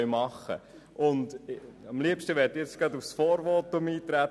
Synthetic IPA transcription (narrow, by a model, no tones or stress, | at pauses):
mɑχə̰ | ʔʊndɑmliəpʃtəʋɛːɾtjɛt͡sɡ̥ɾɑdufsfɔːɾʋɔtːʊmiːt̪ɾæt